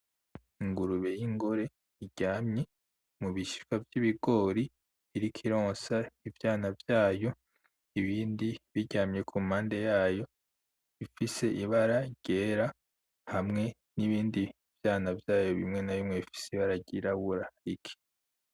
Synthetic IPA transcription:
iŋɡuɾuβe̞jiŋɡoɾe̞ | iɟaːmɲe̞ | muβiʃi̥kwavjiβiɡo̞ːɾiː | ɾikʰiɾoːsaivjaːnavjaːjo̞ | iβiːndiβiɟaːmɲe̞kʰumhaːnde̞jaːjo̞ | ifise̞ʔiβaɾaɟ̥e̞ɾa | hamŋe̞ | niβiːndi | v̥jaːnavjaːjo̞βimŋe̞naβimŋeβifi̥seiβaɾaɟiɾaβuɾaikʰi̥

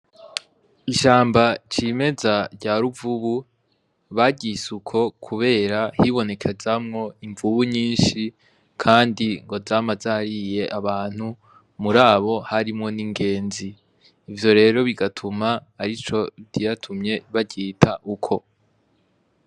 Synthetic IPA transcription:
iʃaːmbat͡ʃime̞zaɾɟaːɾuvuβu | βaɟisukʰo̞kʰuβe̞ːɾahiβo̞ne̞kʰe̞zamŋo̞iɱvuβuɲiːnʃi | kʰaːndiŋɡo̞zaːmazahaɾije̞ʔaβaːn̥hu | muɾaːβo̞haɾimŋo̞niŋɡe̞ːnziː | vjo̞ɾe̞ːɾo̞βiɡatʰumaːɾit͡ʃo̞bdijatʰumɲe̞βaɟiːtʰaʔukʰo̞

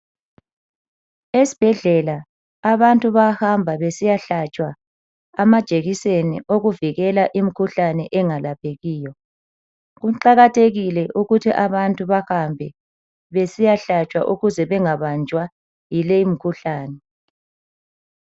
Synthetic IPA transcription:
esi̥b̥ʱɛɮɛlaː | βantʼuβahambʱaβesijaɬat͡ʃʼwaː | mad̥ʒ̥ʱeɣisenḭʔoɣuviɣɛlaʔimikʰuɬanɛʔɛŋalapʰeɣiːjɔ | ɣuǃaɣatʰeɣilɛʔuɣutʰiʔaβantʼuβaxambʱɛ | βesijaɬat͡ʃʼwa̰ʔuɣuzɛβɛŋaβand͡ʒʱwa | jileimikʰuɬaːnɛ

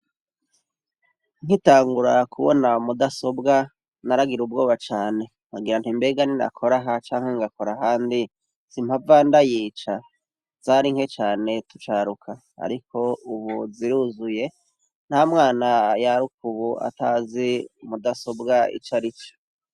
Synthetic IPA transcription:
ŋ̥itaːŋɡuɾakʰuβo̰namudaso̞bɡa | naɾaɡiɾub̚ɡoːβat͡ʃaːne̞ | ŋɡaɡiɾanhimbe̞ːɡanina̰kʰo̞ɾaɦat͡ʃaːŋheŋɡakoɾahaːndi | z̥im̥avandajiːt͡ʃa | z̥aɾiŋhe̞t͡ʃaːne̞tu̥t͡ʃaːɾukʰa | a̰ɾikʰo̞uβuziɾuzuje̞ | n̥hamŋaːnajaɾukuβua̰taziumudaso̞bɡaḭt͡ʃaɾit͡ʃo̥

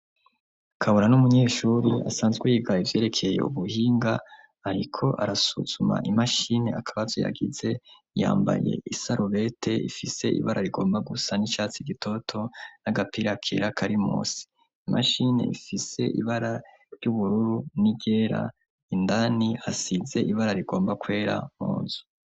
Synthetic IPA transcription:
kʰaβuɾanumuɲe̞ːʃuɾua̰saːnzɡwejiɡaivje̞ːɾe̞kʰe̞jḛuβuhiːŋɡaː | ɾikʰo̞ʔaɾasṵz̥uma̰ʔimaʃine̞̰akʰaβazoja̰ɡize̞ | ja̰ːmba̰je̞̰isaɾʔuβe̞tʰe̞ḭfise̞̰ʔḭβaɾʔaɾiɡo̞ːmbaɡusanit͡ʃaːt͡siɡitʰo̞tʰo̞naɡapiɾakʰeɾakʰaɾimṵːsi̥ | imʔaʃine̞̰ifise̞ʔḭβaɾa | ɾjuβuɾuɾuniɡe̞ɾa̰ | indanihasize̞ʔiβaɾaɾiɡo̞ːmbakwe̞ːɾa̰mo̰ːnzu̥

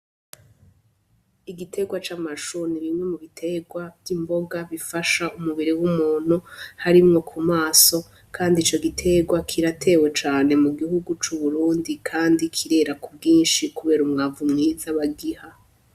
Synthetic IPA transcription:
iɡitʰe̞ɡwat͡ʃaːmaʃuniβimwe̞muβitʰe̞ɡwavjimbo̞ɡaβifaʃaʔumuβiɾiwumuːn̥huhaɾimŋo̞kʰumaːso̞ | kʰaːndit͡ʃo̞ɡitʰe̞ɡwakʰiɾatʰe̞ːwe̞t͡ʃaːne̞muɡihuɡut͡ʃuβuɾuːndikʰaːndikʰiɾe̞ːɾakubɡiːnʃikuβe̞ːɾumŋavumŋiːzaβaɡiha

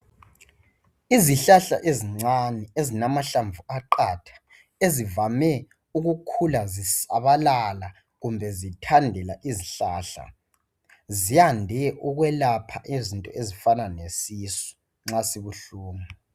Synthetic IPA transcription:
iziɬaɬa̰ʔeziŋ͡ǀanɛezinamaɬaɱvuaǃaːtʰḁ | ezivamɛ | uɣukʰulazisa̰βalala | ɣumbʱɛzitʰandʱɛlaʔiziɬaːɬa̰ | ziandʱɛʔuɣwɛlapʰa̰ʔezintʼɔezifananesisɔ̥ | ŋ͡ǁasiβuɬuːma

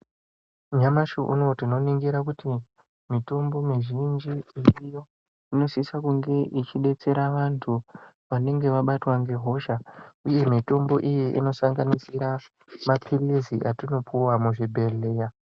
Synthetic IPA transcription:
ɲamaʃoʔṵno̞tino̞niŋɡiɾak̬uti | mito̞mbo̞miʒind͡ʒiiijo̞ | ino̞sisakuŋɡe̞ʔit͡ʃiɗe̞t͡se̞ɾaʋantʰu | ʋane̞ŋɡe̞ʋaɓatwaŋɡe̞ɦo̞ʃauje̞mito̞mbo̞ʔijeʔḭno̞saŋɡanisiɾa | mapʰiliziʔatino̞puwamuʐibʱe̞le̞ːja

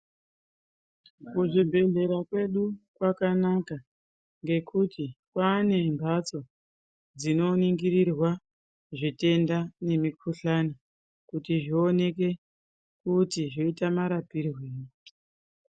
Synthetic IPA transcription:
kuʐibʱe̞ɮe̞ɾakwe̞ɗukwakanaka | ŋɡe̞kutʰikwaːne̞mbʱat͡so̞ | d͡zino̞niŋɡiɾirwa | ʐite̞ndane̞mikʰuɬano | kutiʐio̞ne̞ke̞ | kutiʐoitamaɾapirweːni

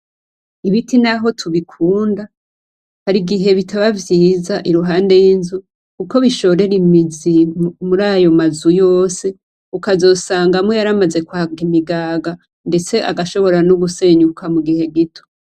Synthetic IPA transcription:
iβitinaɦo̞tʰuβikʰuːnda | haɾiɡiɦe̞βitʰaβavjiːzaʔiɾuɦaːnde̞jinzu | kuko̞βiʃo̞ɾe̞ɾimizimuɾaːjo̞mazujo̞ːse̞ | ukazo̞ːsaːŋɡamwejaɾamaze̞kwaɡimiɡaːɡa | nde̞t͡se̞ʔaɡaʃo̞βo̞ɾanuɡuse̞ɲukʰamuɡihe̞ɡitʰo̥

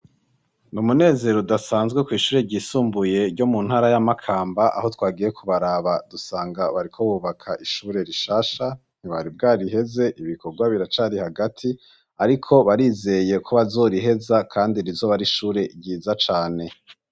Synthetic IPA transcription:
numune̞ːze̞ɾodasaːnzɡwe̞kwiːʃuːɾeɟisuːmbuje̞ɾɟo̞mun̥haːɾajamakʰaːmbaʔa̰ho̞twaːɡije̞kʰuβaɾaβadusaːŋɡaβaɾikʰo̞βuːβakʰaʔiʃuːɾe̞ɾiʃaːʃa | n̥iβaɾibɡaːɾiɦe̞ze̞ʔiβiko̞ɾɡwaβiɾat͡ʃaɾihaɡatʰi | aɾikʰo̞βaɾiːze̞je̞kʰoβazo̞ɾiɦe̞zakʰaːndiɾizo̞βaɾiʃuːɾe̞ɟiːzat͡ʃaːne̞

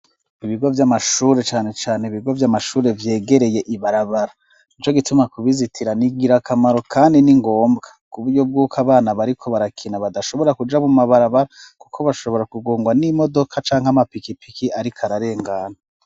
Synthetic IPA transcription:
iβiɡo̞vjamaʃuːɾe̞t͡ʃaːne̞t͡ʃaːneiβiɡovjamaʃuːɾe̞vje̞ːɡe̞ɾe̞je̞ʔiβaɾaβaɾa | nit͡ʃo̞ɡitumakuβizitʰiɾaniɡiɾakamaɾo̞kʰaːndiniŋɡo̞ːmbɡakuβuɾɟo̞b̚ɡuːkʰaβaːnaβaɾikʰo̞βaɾakʰinaβadaʃo̞βo̞ɾakud͡ʒamumaβaɾaβaɾakukʰo̞βaʃo̞βo̞ɾakuɡoːŋɡwanimo̞do̞kʰat͡ʃaːŋɦamapikipikiaɾikʰaɾaɾe̞ːŋɡaːna

